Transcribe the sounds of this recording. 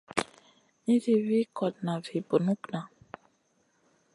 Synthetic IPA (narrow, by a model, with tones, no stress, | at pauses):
ĩ˦ɾi˨wi˦kɔ˨t̪nã˨vi˨bo˨nũ˦knã˨